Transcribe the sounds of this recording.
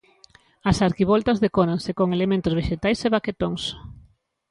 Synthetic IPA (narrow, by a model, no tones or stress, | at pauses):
ɐsaɾkiβolt̪ɐzðekonaŋsekoŋelemẽnt̪ʊzβeʃet̪ajseβaket̪oŋs